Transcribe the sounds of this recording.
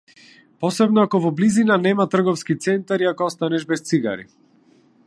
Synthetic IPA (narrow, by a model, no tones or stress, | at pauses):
pɔsɛbnɔakɔvɔblizinanɛmat̪r̩ɡɔfskit̪sɛnt̪aɾiakɔɔst̪anɛʒbɛst̪siɡa̰ɾḭ